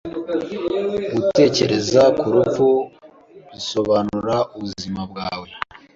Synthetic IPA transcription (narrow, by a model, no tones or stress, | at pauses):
ɡute̞ːce̞ɾe̞zakuɾufu | ɾiso̞βanuɾauβuzimabɡaːwe̞